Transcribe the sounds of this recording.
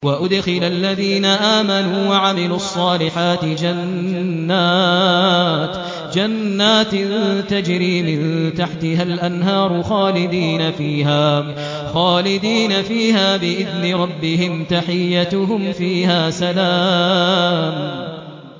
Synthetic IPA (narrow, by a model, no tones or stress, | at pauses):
waʔʊd̪xɪlʔalːaðiːnaʔaːmanuːwaʕamɪluːʔɑsˤːɑːlɪħaːt̪ɪd͡ʒanːaː | t̪ | d͡ʒanːaːt̪t̪ad͡ʒɾiːmɪnt̪aħt̪ɪɦalʔanɦɑːɾˤʊxaːlɪd̪iːnafiːɦaː | xaːlɪd̪iːnafiːɦaːbɪʔɪðnɪɾˤɑbːɪɦɪmt̪aħɪjːat̪ʊɦʊmfiːɦaːsalaː | m